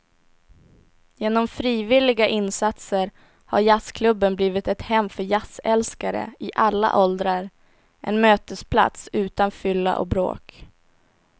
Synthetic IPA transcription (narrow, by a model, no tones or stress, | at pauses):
jeːnɔmfɾiːvɪlɪɡaʔɪnːsat̪səɾ | haɾjaskʰlɵbːənbliːvɪt̪ɛt̪hɛmːfœɾjasɛlskaɾə̰ɪʔalːa̰ʔɔld̪ɾaɾ | ʔɛ̰nmøːt̪əspʰla̰t̪sʉ̟ːt̪anfʏlːa̰ʔɔ̰bɾo̰ːk